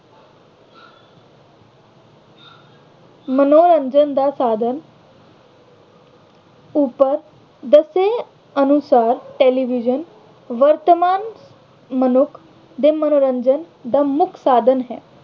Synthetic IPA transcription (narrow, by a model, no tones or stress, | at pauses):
mənoɾəɲd͡ʒənd̪asaːd̪ʱən | uːpəɾ | d̪əse | ənusaːɾʈeːliʋid͡ʒən | ʋəɾt̪əmaːn | mənukʰ | d̪emənoːɾə̃ɲd͡ʒən | d̪amʊkʰsaːd̪ʱənɦɛ̰